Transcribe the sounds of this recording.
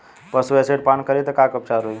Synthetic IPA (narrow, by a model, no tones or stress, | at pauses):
pəsuɛseɖpankəɾit̪əkakəp̚t͡ʃaɾui